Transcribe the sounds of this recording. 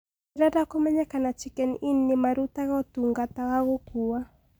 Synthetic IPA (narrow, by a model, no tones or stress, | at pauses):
ɪɾadakɔmaɲakanat͡ʃɪkɛninːɪmaɾut̪aɣɔt̪uŋɡat̪awaɣokuwa